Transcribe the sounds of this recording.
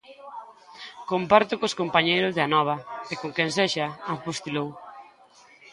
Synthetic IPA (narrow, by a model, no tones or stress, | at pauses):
kompaɾt̪ʊkoskompaɲejɾʊzðanɔβ̞ɐekoŋkɛnseʃɐafost̪ilow